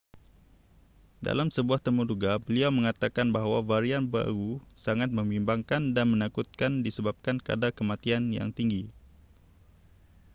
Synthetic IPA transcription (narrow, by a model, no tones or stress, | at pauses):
da̰lamsəbuaht̪əmuduɡabəliawmə̃ŋat̪akanbaɦwavaɾianba̰ɾusaŋat̪̚mə̃mbimbaŋkandanmə̃nakut̪̚kandisəbap̚kanka̰dakəmat̪ianja̰ŋt̪iŋɡi